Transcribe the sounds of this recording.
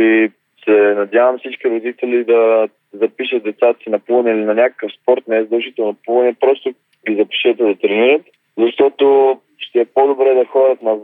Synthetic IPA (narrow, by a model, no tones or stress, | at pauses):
i | sɛnɐd̪ʲjavəmsit͡ʃkiɾod̪it̪ɛlid̪ɐ | zɐpiʃət̪̚d̪ɛt̪sad̪ɐsinɐpuənɛilinɐnʲakə̥kəfspɔɾt̪nɛzd̪ɐlˠʒit̪ɛlˠnopuvˠɐnɛpɾɔst̪o | ɡʲizɐpɛ̥ʃivət̪ɛd̪ɐt̪ɾɛniɾət̪ | zɐʃt̪ɔt̪o | ʃt̪ɛːpod̪obɾɛd̪ɐxɔɾət̪nɐ